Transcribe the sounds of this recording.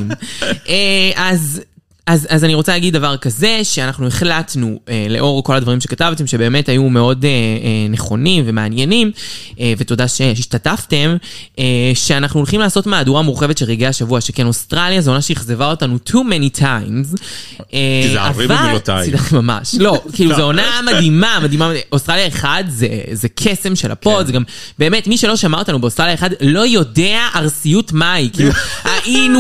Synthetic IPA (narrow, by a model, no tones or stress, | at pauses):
meʔaz | azazaniʁot͡salaɡid̚ːavaʁkaze̞ʃeanaχnue̞χlatnuele̞ʔo̞ʁko̞lad̪vɐʁimʃe̞katavte̞mʃe̞be̞ːme̞tajumeo̞deeneχo̞nimve̞meanje̞nimeveto̞daʃeiʃtatafte̞meʃe̞anaχnuolχimlaːso̞tmaːduʁamuʁχe̞vetʃelʁeɡeaʃavuaʃekeno̞stʁaljazeonaʃeiχze̞vao̞tanutʰumɛnitʰajmzeavat̪aidaχemama̰ʃlo̞kiːluzeonamadimamadimaostʁaljaeχadzezekʰese̞mʃela̰po̞tzeɡam | be̞ːmetmiʃe̞lo̞ʃamao̞tanubeost̪ʁaljaeχadlo̞jo̞deaʔaʁsijutmaikiluaʔinu